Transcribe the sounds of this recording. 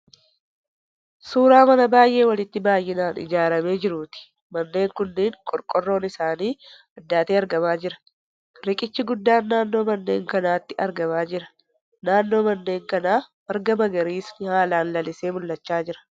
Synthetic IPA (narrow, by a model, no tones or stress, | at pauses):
suːɾaːmɐnɐbaːjʔe̞ːwɐlɪt̪ːɪbaːjːɪnaːnɪ̰d͡ʒaːɾɐme̞ːd͡ʒɪɾuːt̪ɪ̥ | mɐnːe̞ːŋkʊnːeːŋkʼɔɾkʼɔrːo̞ːnɪsaːniː | ɐd̪ːaːt̪eːɐɾɡɐmaːd͡ʒɪɾɐ̥ | ɾɪkʼɪt͡ʃːɪɡʊd̪ːaːnːaːnːo̞ːmɐnːe̞̰ːŋkɐnaːt̪ːɪɐɾɡɐmaːd͡ʒɪɾɐ | naːnːo̞ːmɐnːe̞ːŋkɐnaːwɐɾɡɐmɐɡɐɾiːsnɪhaːlaːnlɐlɪse̞ːmʊlːɐt͡ʃːaːd͡ʒɪɾɐ̥